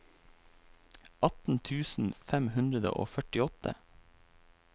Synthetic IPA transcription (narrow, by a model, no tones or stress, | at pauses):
ʔɑt̪n̩t̪ʰʉːsn̩fɛmhʉnd̪ɾəd̪ə̰ʔo̰ːfœʈɪɔt̪ʰə̰